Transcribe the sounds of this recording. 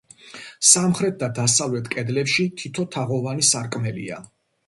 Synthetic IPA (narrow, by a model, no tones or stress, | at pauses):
samχɾɛt̪̚d̪ad̪asavlɛt̪ʰkʼɛd̪lɛpʃit̪ʰit̪ʰɔt̪ʰaʁɔvanisaɾkʼmɛlḭa̰